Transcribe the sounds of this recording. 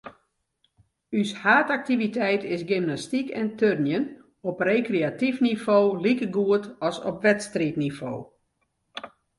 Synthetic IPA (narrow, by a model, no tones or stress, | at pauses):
yshaːtak̚tivitʰɛjtʰɪsɡɪmnastikɛntʰørnjən | ɔprekreatifnifoːlikəɡuətɔsɔpʋɛtstritnifo̰ː